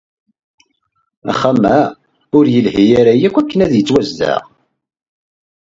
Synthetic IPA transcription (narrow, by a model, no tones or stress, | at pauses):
æ̰χamæ | ʊɾjəlhijaɾajækʷækːənæðjət͡sːwæzːæ̰ʁ